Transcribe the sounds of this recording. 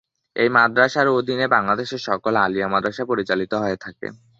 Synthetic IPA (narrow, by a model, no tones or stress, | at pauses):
ejmad̪ɾaʃaɾod̪ʱinebaŋlad̪eʃeɾʃɔkolalijamad̪ɾaʃapoɾit͡ɕalit̪oɦoet̪ʰakḛ